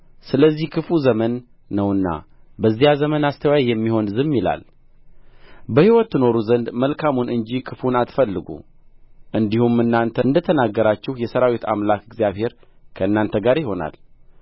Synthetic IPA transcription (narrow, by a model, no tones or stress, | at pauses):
sɨləzːihkʰɨfuzəmənː | əwɨnːa̰ | bəzːijazəmənast̪ʰəwajajɛmːiho̞nzɨmːila̰l | bəhiwɔt̪ːɨno̞ɾuzənd̪məlkʰamunʔɨnd͡ʒikʰɨfunat̪fəlːɨɡṵ | ʔɨnd̪ihumɨnːant̪ʰəɨnd̪ət̪ʰənaɡːəɾat͡ʃːɛhjɛsəɾawit̪a̰mlakɨɡzijaβhe̞ɾkʰəɨnːant̪ʰəɡaɾjɪho̞na̰l